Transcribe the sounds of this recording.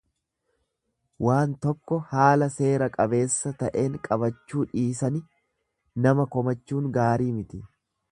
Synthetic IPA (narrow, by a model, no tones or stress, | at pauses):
waːnt̪ɔkːɔhaːlɐse̞ːɾɐkʼɐbe̞ːsːɐt̪ɐʔe̞ːŋkʼɐβɐt͡ʃːuːᶑiːsɐnɪ | nɐmɐkɔmɐt͡ʃːuːŋɡaːɾiːmɪt̪ɪ